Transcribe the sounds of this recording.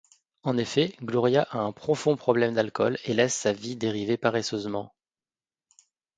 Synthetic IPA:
ɑ̃nefɛɡlɔʁjaʔaɛ̃pχɔfɔ̃pχɔblɛmd̪alkɔlelɛsːavid̪eʁivepaʁesøzmɑ̃

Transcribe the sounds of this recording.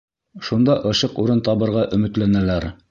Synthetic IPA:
ʃund̪ɑʔɤ̆ʃɤquɾɤnt̪ɑβɤ̆ɾʁɑʔɵ̆mɘ̆t̪lænælæɾ

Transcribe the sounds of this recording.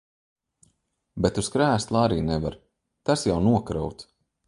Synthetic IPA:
bet̪uskɾæːst̪lˠaːɾiːnɛva̰ɾ | t̪asjawnuɔkɾawt̪

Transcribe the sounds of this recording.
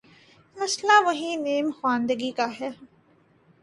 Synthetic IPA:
mɐslaːʋɐɦĩːneːmxwãːnd̪əɡiːkaɦɛː

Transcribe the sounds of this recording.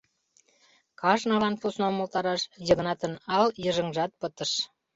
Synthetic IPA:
kɑʒnɑlɑnpusnomolt̪ɑɾɑʃjə̆ɡnɑt̪ənɑljəʒə̆ŋʒɑt̪̚pət̪ə̆ʃ

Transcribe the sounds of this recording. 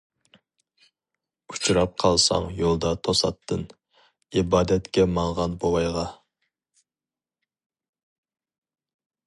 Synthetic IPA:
ut͡ʃʰuɾɑp̚qʰɑlˠsɑ̰ŋjolˠd̪ɑt̪ʰosɑt̪ʰːɨn | ibɑːd̪ɛt̪kʲɛmɑŋʁɑnbowɑjʁɑ

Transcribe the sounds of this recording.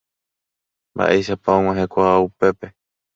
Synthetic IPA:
mba̰ʔe̞jʃapaõŋ̃ãɦekʷaaupe̞pe̞

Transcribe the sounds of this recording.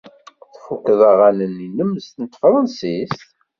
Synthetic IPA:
θfukðˤɑʁanənːinəmːəst̪ənət̪ːfɾˤənsis

